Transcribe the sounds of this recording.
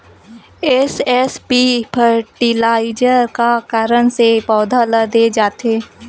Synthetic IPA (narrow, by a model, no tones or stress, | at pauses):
esɛspipʰəɾʈɪlaːɪd͡ʒəɾkakaɾəñsepɔːd̪ʱalad̪eːd͡ʒaːt̪eː